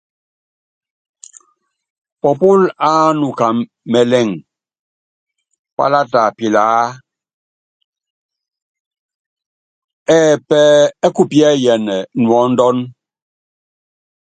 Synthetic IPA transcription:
pɔ˨pu˦la˦nu˨ka˨ | mɛ˨lɛ˨ŋ | pa̰˦la˦ta˨pi˨laː˨˦ | ɛː˦˨pɛ˦ɛ˦ku˦˨pjɛ˦˨jɛ˨nɛ˨nwɔ˨˦n̩˦dɔ˦n

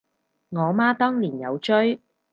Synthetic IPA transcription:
ŋɔː˨˧maː˥t̪ɔː˥ŋliː˨˩njɐ˨˧wt͡ʃɵ˥ɥ

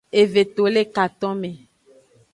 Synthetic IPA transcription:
e˨ve˨t̪o˨le˦ka˨t̪ɔ̃˦mẽ˨

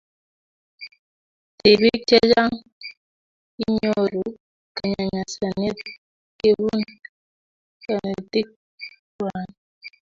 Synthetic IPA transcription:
ti˨bi˦t͡ʃɛ˦d͡ʒa˦ŋ | i˦ɲo˦ɾu˨ | ka˨ɲa˨ɲa˨sa˨ne˦t̚ | ke˦wu˦n | ka˨ne˨ti˦k̚ | wa˨n

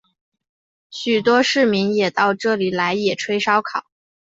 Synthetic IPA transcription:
ɕy˨˩t̪wɔ˥ʂɻ̩˥˩mi˧˥ŋjɛ˨˩t̪ɑ˥˧ʊʈ͡ʂɤ˥˩li˨˩la˧˥ɪjɛ˨˩ʈ͡ʂʰwe˥ɪʂɑ˥ʊkʰɑ˨˩˦ʊ

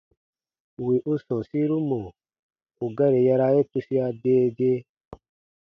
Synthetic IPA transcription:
wi˨ʔu˧sɔ̃˨si˦ɾu˦mõ˨ | u˨ɡa˦ɾe˨ja˧ɾa˧je˦ku˧si˦a˧deː˦˧d͡ʒe˧

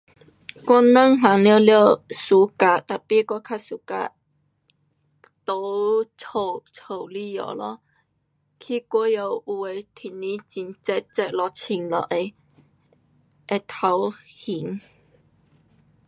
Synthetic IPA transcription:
kɔ˥˦nə˥˨ŋɦa˨˦ŋlja˥˧ljə˧su˨˦ka˧˩t̪a˨˩pi˧˨ka˧kʰa˥˧su˨˧˦ka̰˧ | t̪o˧˦t͡sʰo˨˩t͡sʰo˨˩wli˧˩jo̰˨lɔ˧˦ | kʰi˧kwə˧˦jo˧u˧˩e˧˩t̪ʰi˨˩nĩ˧˦t͡ɕi˧˩nt͡sɛ˧t̚t͡sɛ˧t̚lɔ˧t͡ɕʰi˧˩ŋlɔ̰˨ʔe˧ | ʔe˧˩t̪ʰa˧˦whi˨˦ŋ

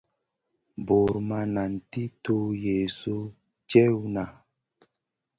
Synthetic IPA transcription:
bo˨ɾma˦na˨n˨ti˦to˦je˨so˦ | t͡ʃɛ˦wu˦na˨

